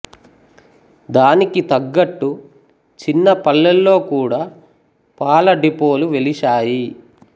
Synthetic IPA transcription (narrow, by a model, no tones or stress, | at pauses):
d̪aːnikit̪ɐɡːɐʈːu | t͡ʃinːɐpɐlːɐlːo̞ːkuːɽaː | paːlɐɖipo̞ːluʋe̞liʃaːji